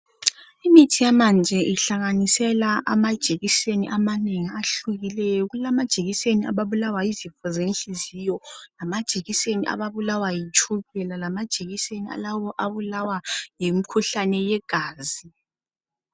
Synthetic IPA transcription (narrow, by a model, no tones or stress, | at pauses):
imitʰijamand͡ʒʱɛʔiɬaŋanisɛlaʔamad̥ʒ̥ʱeɣiseniʔamaneŋiaɬuɣilɛjɔɣulamad̥ʒ̥ʱeɣisenia̰βaβulawaizifɔzenɬizijɔlamad̥ʒ̥ʱeɣiseniʔa̰βaβulawajit͡ʃʼʰuβɛlalamad̥ʒ̥ʱeɣisenia̰laβɔʔaβulawajimikʰuɬanɛjɛɡ̥ʱaːzi